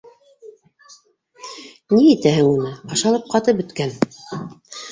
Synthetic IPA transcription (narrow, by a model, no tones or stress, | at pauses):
niit̪æhɘŋunɤɑʃɑlˠɤp̚qɑt̪ɤp̚bɵ̆t̪kæn